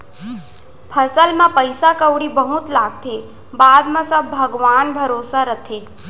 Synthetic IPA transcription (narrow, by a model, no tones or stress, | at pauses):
pʰəsəlmãpəjsakəwɽibəɦut̪laːɡ̚t̪ʰe | baːd̪mãsəbːʱəɡʋaːnbʱəɾoːsaɾət̪ʰe